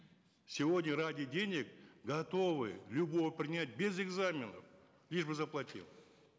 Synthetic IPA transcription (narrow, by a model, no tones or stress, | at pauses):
sʲɪvo̞dʲnʲəɾadʲɪdʲe̞nʲɪk̚ɡɐt̪o̞vɨ̰lʲubo̞vəpɾʲɪnʲat̚ʲbʲe̞zeɡzamʲɪnə̰f | lʲiʂbɨzɐplˠat̪ʲḭlˠ